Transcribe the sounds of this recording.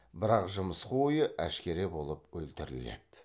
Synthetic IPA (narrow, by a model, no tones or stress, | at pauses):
bɪɾɑqʒʊməsquʊjəʔæʃkʲe̞ɾe̞bo̞lˠəpwɵlt̪ɪɾɪle̞̰d̪̥